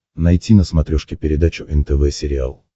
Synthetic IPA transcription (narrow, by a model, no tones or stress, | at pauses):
nɐjtʲinəsmɐt̪ɾʲɔʂkʲɪpʲɪɾʲɪd̪at͡ɕʊʔɛnt̪ɛvɛsʲɪɾʲɪa̰lˠ